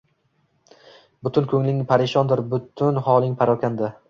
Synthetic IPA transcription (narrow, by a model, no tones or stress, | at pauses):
bʊt̪ʰʊnkʲʰɵŋlɪŋpʰaɾɪʃɒnd̪ɪɾbʊt̪ʰʊnhɒlˠɪŋpʰaɾɒkʲand̪a